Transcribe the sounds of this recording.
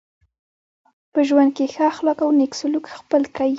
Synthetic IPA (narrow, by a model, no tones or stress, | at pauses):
pəʒwand̪̚kexaxlɑkawneksʊlukxpəlkawi